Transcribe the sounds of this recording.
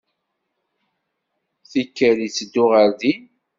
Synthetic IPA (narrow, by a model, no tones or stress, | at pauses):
θikːəɾit͡sːəd̪ːʊʁəɾði